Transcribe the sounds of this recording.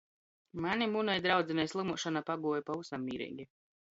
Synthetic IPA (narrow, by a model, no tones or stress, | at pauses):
manʲimunɛjd̪ɾawd̪zɛnɛjslˠimuɔʃanapaɡuɔjpausamːiːɾḭːɡʲi